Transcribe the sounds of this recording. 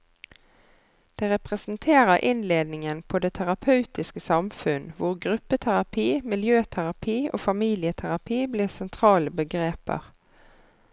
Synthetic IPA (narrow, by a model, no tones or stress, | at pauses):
d̪̥eːʁɛpʁɛsnt̪ʰeːʁəʁʔɪnleːd̪nɪŋənpʰod̪eːt̪ʰæʁɑpʰɑʉt̪ɪskəsɑmfʉnʋʊʁɡʁʉpːət̪ʰæʁɑpʰiːmɪljøːt̪ʰæʁɑpʰiːʔo̰ːfɑmiːlɪət̪ʰæʁɑpʰiːbliːʁsɛnt̪ʰʁɑːləbəɡʁeːpə̰ʁ